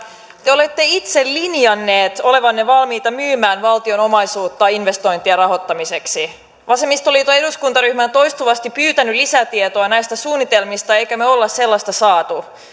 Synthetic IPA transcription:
t̪eolet̪ːe̞it̪sellinjɑnːe̞ːt̪o̞le̞ʋɑnːeʋɑlmiːt̪ɑmyːmæːnʋɑlt̪io̞no̞mɑjsuːt̪ːɑinʋe̞st̪o̞jnt̪iɑrɑɦo̞t̪ːɑmise̞ksi | ʋɑsemist̪olit̪oeduskunt̪ɑɾyhmænt̪o̞jst̪uʋɑst̪ippyːt̪ænylisæt̪iet̪oɑnæjst̪æsuːnːit̪e̞lmist̪ɑe̞jkæmeo̞lːɑsselːɑst̪ɑsɑːt̪u

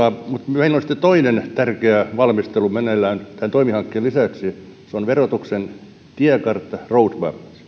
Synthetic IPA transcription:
ɑmut̪meilolsĭ̥t̪et̪oinent̪ærkeæʋɑlmist̪elumenelːˑæːnt̪ænt̪oimihɑŋkːeːlisæˑksi | seonʋerot̪uksen | t̪iækɑrt̪ːɑroutʋæ̰pːs

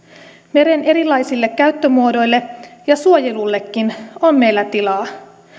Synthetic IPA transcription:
me̞ɾe̞ne̞ɾilɑjsilːe̞kːæyt̪ːømuo̞do̞jlːe̞jɑsuojelulːe̞kːino̞mme̞jlːæt̪ilɑː

